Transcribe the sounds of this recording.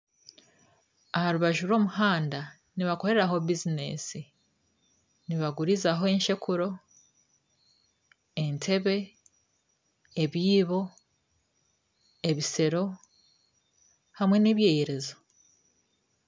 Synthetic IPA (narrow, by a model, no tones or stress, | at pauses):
ahaɾuβaʒuɾo̞ːmuhaːnda | niβako̞ɾe̞ɾaɦo̞bizine̞̰ːsi | niβaɡuɾizaɦo̞enʃe̞kuɾo̞ | entʰe̞βe̞ | eβiːβo̞ | eβise̞ɾo̞ | hamwe̞niβje̞ːjeɾe̞zo